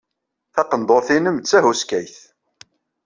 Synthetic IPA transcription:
θɑqənd̪ˤoɾθinəmt͡sːæɦuskæjθ

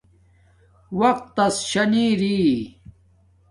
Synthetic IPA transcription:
wɐq̚t̪ːɐsɕɐniːɾi

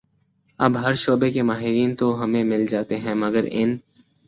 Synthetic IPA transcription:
ɐ̰bɦɐɾʃoːbekemaːɦɪɾiːnt̪oɦɐmẽmɪld͡ʒaːt̪eɦɛ̃mɐɡəɾɪ̰n

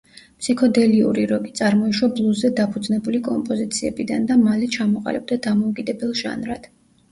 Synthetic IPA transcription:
pʰsikʰɔd̪ɛliṵɾiɾɔɡit̪sʼaɾmɔiʃwablˠuzːɛd̪apʰud̪znɛbulikʼɔmpʼɔzit̪sʰiɛbid̪and̪amalɛt͡ʃʰamɔqʼa̰lib̚d̪ad̪amɔukʼid̪ɛbɛlˠʒa̰nɾad̪̥

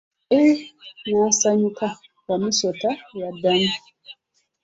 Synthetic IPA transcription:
ʔɛwɔsaɲuka | wamisɔtawadani

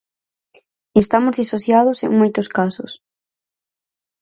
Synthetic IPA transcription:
est̪amʊzðisoθjaðʊsḛŋmojt̪oskasʊ̰s

